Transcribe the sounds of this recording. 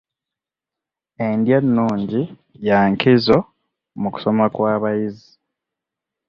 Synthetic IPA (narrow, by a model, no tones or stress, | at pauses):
endjanːuːɲɟi | jaːŋkizo̞ | muku̥so̞makwaːβajizi